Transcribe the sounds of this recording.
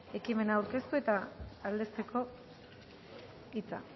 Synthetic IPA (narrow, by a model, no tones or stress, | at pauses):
e̞kime̞naːuwɾke̞st̪ue̞t̪aːld̪e̞st̪e̞ko̞ | it͡sa̰